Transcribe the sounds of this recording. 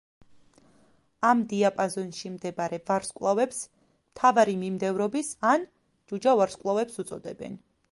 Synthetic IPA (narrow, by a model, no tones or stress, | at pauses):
amd̪iapʼazɔnʃimd̪ɛbaɾɛvaɾskʼlˠavɛps | mt̪ʰavaɾimimd̪ɛvɾɔbisan | d͡ʒud͡ʒavaɾskʼlˠavɛpsut̪sʼɔd̪ɛ̰bɛ̰n